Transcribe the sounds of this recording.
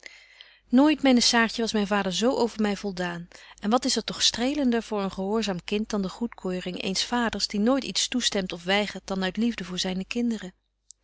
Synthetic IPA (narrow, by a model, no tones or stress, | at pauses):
noːjtmɛjnəsaːɹtəʋɑsmɛjnvaːdəɹzowʔowvəɹmɛjvɔlˠdaːnʔɛnʋɑtɪsətɔχstrejləndəɹvʊːɹənχəɦʊːɹzaːmkɪnt̚dɑndəχutkʰøːrɪŋḛjnsfaːdəɹzdinoːjtitstustɛmtɔfʋɛjχəɹt̚dɑnœɥtlivdəvʊːɹzɛjnəkɪndərə